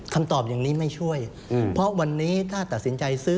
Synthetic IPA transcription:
kʰa˧mt̪ɔː˨˩p̚jaː˨˩ŋniː˦˥ma˥˩jt͡ɕʰu˥˩əj | pʰɔ˦˥wa˧nːiː˦˥t̪ʰaː˥˩t̪a˨˩t̪̚si˩˦nt͡ɕa˧jsɯː˦˥

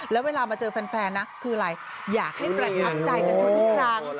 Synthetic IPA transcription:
lɛː˦˥weː˧laː˧maː˧t͡ɕɤː˧fa˧nfɛː˧nːa˦˥kʰɯː˧ɾa˧j | jaː˨˩k̚ha˥˩jpɾa˧t̪ʰa˦˥p̚t͡ɕa˧jnka˧nt̪ʰu˦˥˦kʰɾaː˧˥˩ŋ

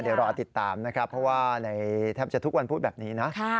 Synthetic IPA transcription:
di˨˩˦ɾaː˧a˨˧t̪i˨˩t̪ːaː˨˩mna˦kʰɾa˦˥pʰːɔ˦˥waː˥˩na˧jt̪ʰɛː˥˩mt͡ɕa˨˩t̪ʰu˦˥k̚wa˧npʰuː˥˩t̪̚bɛː˨˩p̚niː˦˥na˦˥kʰa˥˩

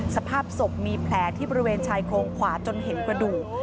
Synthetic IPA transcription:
sa˧pʰaː˥˩p̚so˨˩k̚miː˧pʰlɛː˩˦t̪ʰiː˥˩bɔː˧i˦weː˧nt͡ɕʰaː˧jkʰoː˧ŋkʰwaː˩˦t͡ɕo˧nɦe˩˦nkɾa˧duː˨˩k̚

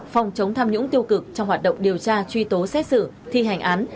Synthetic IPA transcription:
fɔ˨˩wŋ͡mt͡ɕə˨˦wŋ͡mt̪ʰaː˧mɲʊ̰˧˥ŋt̪i˧əwkɨ˨˩k̚t͡ɕɔ˧wŋ͡mhwaː˨˩t̚ɗə̰˧˨wŋ͡mɗi˨˩əwt͡ɕaː˧t͡ɕwi˧t̪o˨˦sɛ˦˥t̚sɨ̰˧˩t̪ʰi˧ɦa˨˩jŋ̟ʔaː˨˦n

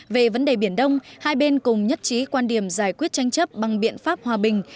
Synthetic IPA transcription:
ve˨˩və˨˦nɗe˨˩ɓi˧˩ənɗə˧wŋ͡mhaː˧jɓe˧nkʊ˨˩ŋ͡mɲə˦˥t̚t͡ɕi˨˦kwaː˧nɗi˧˩əmzaː˧˩jkwi˦˥ət̚t͡ɕa˧jŋ̟t͡ɕə˦˥t̚ɓa˨˩ŋɓḭ˧˨ənfaː˦˥p̚hwaː˨˩ɓï˨˩ŋ̟

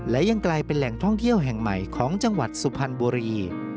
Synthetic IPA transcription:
lɛ˦˥ja˧ŋklaː˧jpe˧nlɛ˨˩ŋt̪ʰɔ˥˩ŋt̪ʰi˥˩əwɦɛ˨˩ŋma˨˩jkʰɔː˩˦ŋt͡ɕa˧ŋwa̰˨˩t̪̚su˨˩pʰa˧nbuː˧ɾiː˧

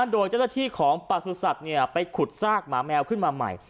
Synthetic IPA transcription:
a˥˩doː˧jt͡ɕa˥˩naː˥˩t̪ʰiː˥˩kʰɔː˩˦ŋpa˨˩su˧sa˨˩k̚ni˥˩ɐpa˧jkʰu˨˩t̪̚saː˥˩k̚maː˩˦mɛː˧wkʰɯ˥˩nmaː˧ma̰˨˩j

